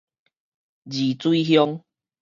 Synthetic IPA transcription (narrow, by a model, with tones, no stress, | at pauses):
d͡ʑi˨˩t͡swi˦ɦjɔ˦˧ŋ